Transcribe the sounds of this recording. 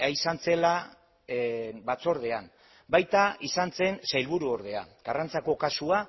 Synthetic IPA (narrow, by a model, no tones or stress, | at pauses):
aisant͡se̞la | bat͡so̞ɾð̞e̞an | bajt̪aisant͡se̞nsajlβuɾuo̞ɾð̞e̞a̰ɡ̥arant͡sako̞kasua